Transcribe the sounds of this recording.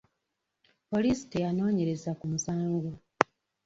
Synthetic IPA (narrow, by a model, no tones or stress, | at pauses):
po̞lisi̥tejano̞ːɲe̞ɾe̞zakumusaːŋɡo